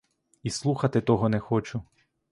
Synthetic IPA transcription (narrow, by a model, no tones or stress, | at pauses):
islˠuxɐt̪ɪt̪ɔɦɔnɛxɔt͡ʃʊ